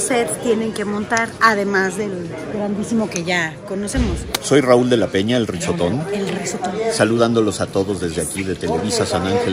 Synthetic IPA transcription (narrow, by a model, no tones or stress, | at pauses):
seðst̪jenẽ̞ŋke̞mõ̞nt̪aɾað̞e̞mazðe̞l | ɡɾand̪isimo̞ke̞ʝako̞nose̞mosso̞jrauld̪e̞lape̞ɲaelriso̞t̪o̞nelrisot̪onsaluð̞and̪o̞lo̞sat̪o̞ðo̞zðe̞zðeakiðe̞t̪e̞le̞βisasanaŋxel